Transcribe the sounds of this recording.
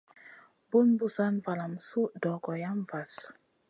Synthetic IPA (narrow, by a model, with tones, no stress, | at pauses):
bu˦nbu˦sa˦nva˨la˨m˨su˦dɔ˨ɡɔ˨ja˦m˨va˨s